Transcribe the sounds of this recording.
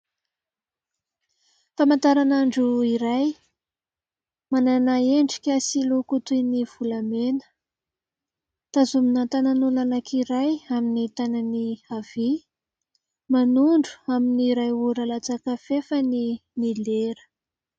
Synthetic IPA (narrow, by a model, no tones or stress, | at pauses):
famant̪aɾanaɳɖ͡ʐuiɾaj | mananaeɳɖ͡ʐikʲasilukut̪univ̥ulamenə̥ | t̪azuminat̪ananulanakʰiɾajaminit̪ananiav̥i | manuɳɖ͡ʐu̥aminiɾajuɾalat͡sakəfefəninileɾə̥